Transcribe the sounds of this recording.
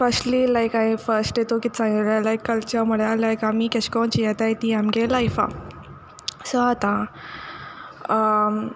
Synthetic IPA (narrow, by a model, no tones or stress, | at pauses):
fəsʈlilajkaĩfəɾsʈet̪okit̪sãŋɡlalajkːəlt͡ɕəɾməɽjalajkamikɛɕkɔnt͡ɕijɛt̪ajt̪iamkelajfa̰ | sɔat̪ã